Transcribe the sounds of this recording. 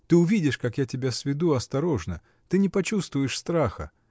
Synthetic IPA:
t̪ɨʊvʲidʲɪʂkakjatʲɪbʲasvʲɪd̪uɐst̪ɐɾoʐnə | t̪ɨnʲɪpɐt͡ɕust̪vʊjɪʂst̪ɾaxə̰

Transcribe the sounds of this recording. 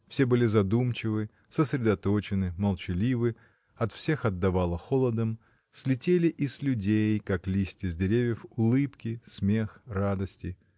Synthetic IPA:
fsʲe̞bɨlʲɪzɐd̪umt͡ɕɪvɨ | səsɾʲɪd̪ɐt̪o̞t͡ɕɪnɨməlˠt͡ɕɪlʲivɨ | ɐt̪fsʲe̞xɐd̪ːɐvalˠəxolˠəd̪əm | sʲlʲɪtʲelʲɪʔɪslʲʉdʲejkaklʲisʲtʲɪzʲdʲɪɾʲevʲjəfʊlˠɨpkʲɪsmʲexrad̪əsʲtʲɪ

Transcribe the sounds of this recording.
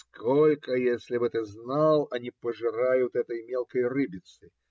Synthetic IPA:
skʰɔlʲkɐjesʲlʲibɨt̪ɨznalˠɐnʲipɐʐɨɾajut̪ɛt̪ɐjmʲɛlˠkɐjrɨbʲit̪sɨ

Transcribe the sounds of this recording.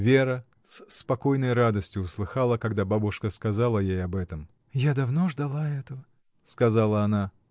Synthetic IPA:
vʲeɾə | spɐko̞jnəjrad̪əsʲtʲjʊʊslˠɨxalˠəkɐɡd̪ababʊʂkəskɐzalˠəjejɐbɛt̪əm | jad̪ɐvnoʐd̪ɐlˠaɛt̪əvə | skɐzalˠəɐna

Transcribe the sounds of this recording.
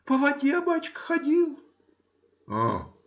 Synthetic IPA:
pəvˠɐdʲebat͡ɕkxɐdʲilˠ | a

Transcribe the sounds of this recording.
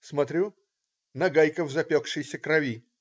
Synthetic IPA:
smɐt̪ɾʲu | nɐɡajkəvzɐpʲokʂɨjsʲəkɾɐvʲi

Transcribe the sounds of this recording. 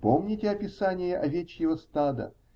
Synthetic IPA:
pomnʲɪtʲɪɐpʲɪsanʲɪjəʔɐvʲet͡ɕjɪvəst̪ad̪ə̰

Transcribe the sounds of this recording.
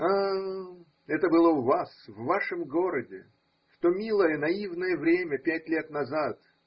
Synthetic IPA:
a | ɛt̪əbɨlˠəʊvasvːaʂɨmɡo̞ɾədʲɪ̰ | ft̪omʲilˠəjənɐivnəjəvɾʲemʲəpʲætʲlʲe̞t̪nɐzat̪

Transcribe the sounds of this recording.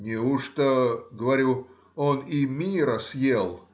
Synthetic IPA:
nʲɪuʂt̪oɡəvɐɾʲu | onimʲiɾəsjelˠ

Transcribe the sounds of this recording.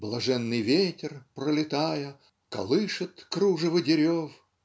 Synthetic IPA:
blˠɐʐɛnːɨjvʲetʲɪrpɾəlʲɪt̪ajə | kɐ̰lˠɨʂɨt̪kɾuʐɨvɨdʲɪɾʲof

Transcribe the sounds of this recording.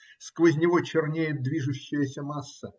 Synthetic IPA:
skvəzʲnʲɪvot͡ɕɪrnʲejɪd̪vʲiʐʊɕːɪjəsʲəmasːə

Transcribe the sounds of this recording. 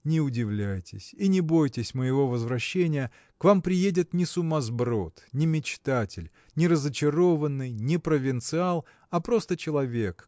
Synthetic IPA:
nʲɪʊdʲɪvlʲæjtʲɪ̰sʲinʲɪbo̞jtʲɪsʲməjɪvo̞vəzvɾɐɕːenʲɪjə | kvampɾʲɪjedʲɪt̪nʲɪsʊmazbɾo̞t̪nʲɪmʲɪt͡ɕt̪atʲɪlʲ | nʲɪɾəzət͡ɕɪɾo̞vənːɨjnʲɪpɾəvʲɪnt̪sɨalˠ | ɐpɾo̞st̪ət͡ɕɪlˠɐvʲe̞k

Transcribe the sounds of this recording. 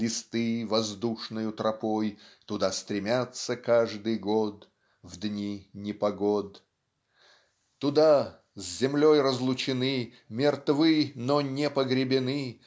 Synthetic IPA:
lʲɪst̪ɨvɐzd̪uʂnɨjʊt̪ɾɐpojt̪ʊd̪ast̪ɾʲɪmʲat̪səkaʐd̪ɨjɡod̪ | vd̪nʲinʲɪpɐɡod̪ | t̪ʊd̪a | zʲzʲɪmlʲojrəzlˠʊt͡ɕɪnɨ | mʲɪrt̪vɨnonʲɛpəɡɾʲɪbʲɪnɨ

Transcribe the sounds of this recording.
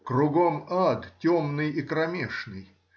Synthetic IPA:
kɾʊɡomad̪tʲomnɨjɪkɾɐmʲeʂnɨj

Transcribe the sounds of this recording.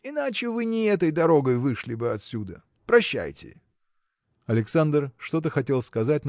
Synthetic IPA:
ɪnat͡ɕɪvɨnʲɪɛt̪̬əjd̪ɐɾo̞ɡəjvɨʂlʲɪbɨɐt̪sʲud̪ə̰ | pɾɐɕːæ̰jtʲɪ̰ | ɐlʲɪksand̪rʂt̪o̞t̪̬əxɐtʲe̞lˠskɐzat̚ʲn

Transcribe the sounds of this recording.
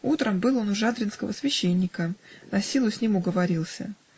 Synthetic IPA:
ut̪ɾəmbɨlˠo̞nʊʐad̪ɾʲɪnskəvəsvʲɪɕːenʲːɪkənɐsʲilˠʊsʲnʲimʊɡəvɐɾʲilˠsʲə̰

